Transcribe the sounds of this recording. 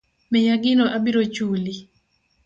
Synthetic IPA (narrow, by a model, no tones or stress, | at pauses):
mɛɲaɡɪnɔʔabiɾot͡ʃuli